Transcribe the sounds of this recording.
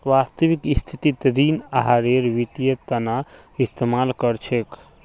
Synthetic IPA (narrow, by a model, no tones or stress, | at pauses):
ʋast̪əʋikist̪ʰit̪it̪ɾinaɦaɾeɾʋit̪ijət̪ənaist̪emalkəɾt͡ʃʰek